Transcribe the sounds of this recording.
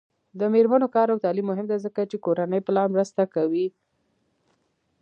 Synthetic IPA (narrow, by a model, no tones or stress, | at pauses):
d̪əmeɾmanokɑɾawt̪ɑlimːʊɦɪmd̪ezəkat͡ʃekoɾanəjplɑnmɾəst̪akawi